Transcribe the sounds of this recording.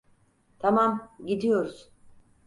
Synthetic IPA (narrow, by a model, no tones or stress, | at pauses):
t̪ʰamamɟid̪ijo̞ɾuz̥